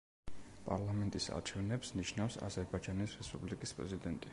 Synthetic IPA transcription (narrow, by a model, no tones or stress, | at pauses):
pʼa̰ɾlˠamɛnt̪ʼisa̰ɾt͡ʃʰɛvnɛpsniʃnafsa̰zɛɾbad͡ʒanisɾɛspʼublikʼispʼɾɛ̰zid̪ɛnt̪ʼi